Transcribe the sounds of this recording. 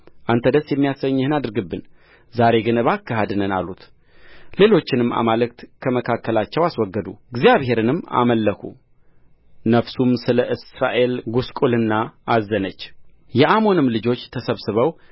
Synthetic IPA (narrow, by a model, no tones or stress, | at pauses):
ʔant̪ʰəd̪əsjɛmːijasəɲːɨhɨnad̪ɨɾɡɨbːɨn | zaɾe̞ɡɨnɨβakːəɦad̪ɨnəna̰lut̪ | le̞lo̞t͡ʃːɪnɨmːa̰malɨkt̪kʰəməkʰakːəlat͡ʃːɛwaswɔɡːəd̪uɡzijaβhe̞ɾɨnɨmːa̰məlːəkṵ | nəfsumsɨləʔɨsɾaʔe̞lɡuskʼulɨnːaʔazːənət͡ʃː | jɛʔamo̞nɨmlɨd͡ʒo̞t͡ʃːt̪ʰəsəβsɨβəw